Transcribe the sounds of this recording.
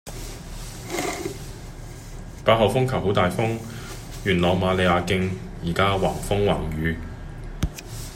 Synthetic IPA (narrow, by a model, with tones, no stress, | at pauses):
paː˧t̚hɐ˨wfʊ˥ŋkʰɐ˨˩who˨˥wt̪aː˨jfʊ˥ŋ | jyː˨˩nlɔː˨wmaː˨˧le˨˧jaː˨˧kɪ˧ŋ | jiː˨˩kaː˥waː˨˩ŋfʊ˥ŋwa̰ː˨˩ŋjyː˨˧